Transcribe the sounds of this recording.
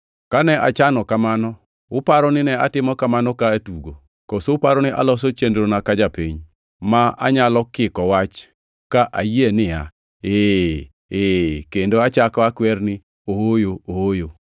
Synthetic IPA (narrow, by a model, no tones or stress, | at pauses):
kanɛʔa̰t͡ʃanɔkamanɔ | ʊpaɾɔnɪnɛatɪmɔkamanɔkatuɡo̰ | kɔsoʊpaɾɔnɪʔa̰lɔs̬ot͡ʃendɾonakad͡ʒapiɲ | maa̰ɲalɔkɪkɔwat͡ʃ | kaʔaienɪa̰ | eː | ekendoat͡ʃakɔakwɛrnɪ | owojoowojo